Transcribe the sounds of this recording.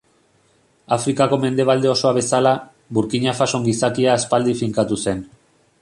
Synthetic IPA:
afɾikako̞me̞nd̪e̞β̞ald̪e̞o̞so̞aβe̞sala | βuɾkiɲafaso̞ŋɡisakiaːspald̪ifiŋkat̪use̞n

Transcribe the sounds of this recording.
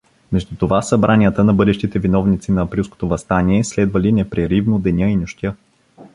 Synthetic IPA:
mɛʒd̪ut̪ovasɐbɾʔanijət̪ənɐbɤd̪ɛʃt̪it̪ɛvinɔvnit̪sinɐɐpɾilˠsko̥t̪ovɐst̪aniɛslɛd̪vɐlinɛpɾɛɾivnod̪ɛnʲəinʊʃt̪ʲjə

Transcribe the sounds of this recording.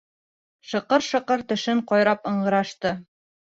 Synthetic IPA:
ʃɤ̆qɤɾʃɤ̆qɤɾt̪ɵ̆ʃɘɴqɑjɾɑpɤ̆ɴɢɤ̆ɾɑʃt̪ɤ

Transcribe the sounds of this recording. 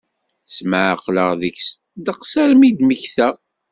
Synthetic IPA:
sməʕə̰qləʁðəçs | d̪əqsæɾmid̪məçθæ

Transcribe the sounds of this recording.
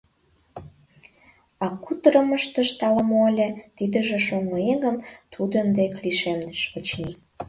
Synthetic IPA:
ɑkut̪əɾə̆məʃt̪əʃt̪ɑləmolʲet̪id̪ə̆ʒĕʃoŋoeɣə̆mt̪ʰud̪ənd̪ekliʃemd̪əʃət͡ɕni

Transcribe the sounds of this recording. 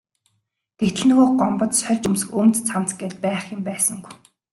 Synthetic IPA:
ɡ̪̥et̪ɘ̆ɮnoːɢɔmpɞ̆t̪sœɮʲt͡ɕɵmsɘ̆xɵmt͡st͡sʰam̥t͡sɡeːɮt̪̚pæːχjʊ̆mpæːsə̆ŋɡu̥j

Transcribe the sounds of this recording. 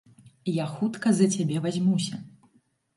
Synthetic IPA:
jaxut̪kɐzɐt͡sʲabʲɛvazʲmusʲɐ

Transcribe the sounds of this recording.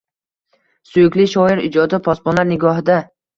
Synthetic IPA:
sʊjɪkʲlɪʃɒɪɾɪd͡ʒɒd̪ɪpʰɒspɒnaɾnɪɡɒɦɪd̪a

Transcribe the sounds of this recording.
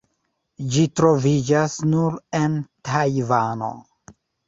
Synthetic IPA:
d͡ʒitɾo̞vid͡ʒasnuɾe̞ntʰajvano̞̰

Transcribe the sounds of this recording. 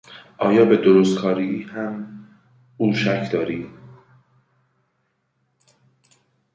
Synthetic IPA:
ʔɒːjɒːbed̪oɾost̪̚kʰɒːɾiːiːhæm | uːʃæcʰd̪ɒːɾiː

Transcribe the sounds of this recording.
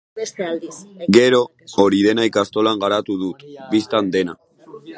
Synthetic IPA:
st̪ld̪ɡe̞ɾo̞ː | ɾiðe̞najkast̪o̞laŋɡaɾat̪uðut̪bist̪and̪e̞na

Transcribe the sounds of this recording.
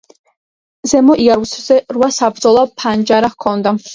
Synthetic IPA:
zɛmɔʔiaɾuszɛrwasabɾd̪zɔlˠapʰand͡ʒaɾaχkʰɔnd̪a

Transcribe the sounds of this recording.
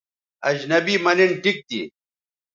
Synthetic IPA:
ɐd͡ʑnɐbiːmɐniɳʈik̚t̪ḭ

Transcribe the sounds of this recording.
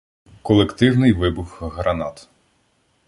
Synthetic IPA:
kɔlˠekt̪ɪwnɪjʋɪbʊxɦɾɐnɑt̪

